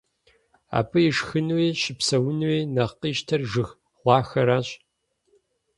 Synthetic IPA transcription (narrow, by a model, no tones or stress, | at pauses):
a̰ːpʰɨjɪʂxɨnweːʃɪpsɐwʊnweːnɐχqiːʃtʰɐrʒɨx | ʁʷɑːxɐɾaːɕʼ